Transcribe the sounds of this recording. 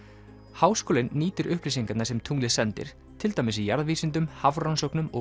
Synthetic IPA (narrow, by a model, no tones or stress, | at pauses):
haːwskoːlɪnːiːt̪ʏɾʔʏhpɾisiŋkat̪naɾsɛmt̪ʰuŋlɪsɛnt̪ɪ̰ɾ̥ | t̪ʰɪlt̪aːjmɪsijaɾðviːsɪnt̪̬ʏmhavɾansɔknʏmɔ̰